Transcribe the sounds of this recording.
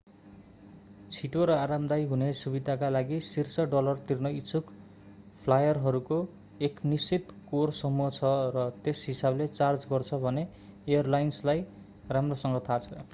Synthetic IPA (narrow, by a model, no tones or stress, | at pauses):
t͡sʰiʈoɾʌaɾamd̪ajɦunesubid̪ʱakalaɡisirsʌɖʌlʌrt̪irnʌit͡sʰuk | pʰlajʌrɦʌɾuko | eknisit̪korsʌmuɦʌt͡sʰʌrʌt̪esɦisablet͡sard͡zɡʌrt͡sʰʌbʱʌne | ejʌrlajnslaj | ramrosʌŋɡʌt̪ʰat͡sʰʌ